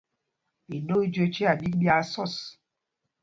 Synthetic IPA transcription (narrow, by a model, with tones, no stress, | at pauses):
i˨no˦i˦d͡ʒo˦t͡ʃi˦a˨bi˦ɡ͡ba˦sɔ˦˨s